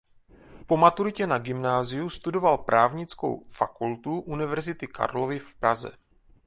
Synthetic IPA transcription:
po̞mat̪uɾɪcɛnaɡɪmnaːzɪjust̪udo̞valpɾʔaːvɲɪt͡sko̰wfakult̪uʔunɪvɛɾzɪt̪ɪka̰ɾlo̞vɪfpɾazɛ̰

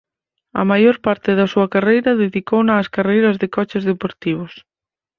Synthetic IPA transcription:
ɐ̰majoɾpaɾt̪ɪðɐsuɐkarejɾɐðeðikownaːskarejɾɐzðekɔt͡ʃɪzðepoɾt̪iβ̞ʊs

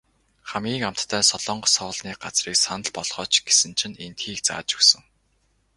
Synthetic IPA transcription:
χamɡʲiːŋam̥t̪ːʰæːsɔɮɔːɴɢɞ̆sɔːɮniːɢat͡sriːksanə̆ɮpɔɮ̥χʁɔːt͡ɕɡesɘ̆nt͡ɕʰɪ̆nent̪xiːkt͡sa̰ːt͡ɕɵ̥sɵ̆ŋ

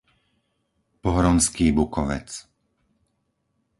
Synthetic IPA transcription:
pɔɦɾɔnskiːbukɔʋɛ̰t͡s

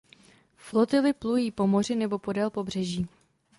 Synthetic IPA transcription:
flo̞t̪ɪlɪplujiːpo̞mo̞r̝ɪnɛbo̞po̞dɛlpo̞br̝ɛʒiː

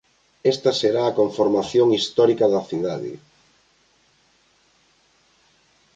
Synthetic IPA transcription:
ɛst̪ɐseɾaːkoɱfoɾmaθjoŋist̪ɔɾikɐðɐθiðaðɪ̰

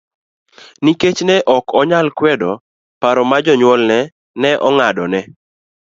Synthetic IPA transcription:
niket͡ʃnɛʔɔkɔɲalkwɛdɔ | paɾɔmad͡ʒɔɲwɔlnɛ | nɛʔɔŋadɔnɛ

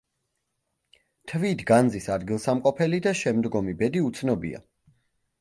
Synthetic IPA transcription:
t̪ʰvit̪ʰɡand̪zisad̪ɡilˠsamqʼɔpʰɛlid̪aʃɛmd̪ɡɔmibɛd̪iut̪sʰnɔbḭa̰

